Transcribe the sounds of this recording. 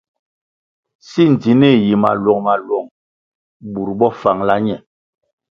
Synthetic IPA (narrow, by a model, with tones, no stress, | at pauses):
si˦n˨d͡zi˨ne˦˨ji˨ma̰˨lwɔ˨ŋma˨lwɔ˨ŋ | ɓu˨ɾɓɔ˦fa˨ŋla˦ɲɛ˨